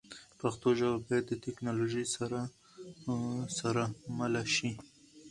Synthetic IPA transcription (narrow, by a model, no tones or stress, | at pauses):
paxt̪oʒawabɑjad̪ːət̪ɪknɑloʒəjsaɾa | saɾamalaʃi